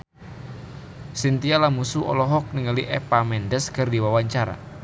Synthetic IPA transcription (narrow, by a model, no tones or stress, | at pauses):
sint̪ialamusuʔɔ̰lɔɦɔk̚niŋaliʔɛpamɛndəskərdiwawaɲt͡ʃaɾa̰